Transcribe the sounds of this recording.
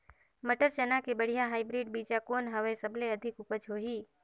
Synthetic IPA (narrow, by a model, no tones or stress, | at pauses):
məʈəɾt͡ʃənakebəɽ̤ijaɦaːibɾiɖ̚bid͡ʒakonɦəʋesəbleəd̪ʱɪkʊpəd͡ʒɦoɦiː